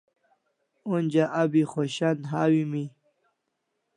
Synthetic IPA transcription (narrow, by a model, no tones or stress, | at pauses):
unʲd͡ʑaʔabixoɕanɦaːwimi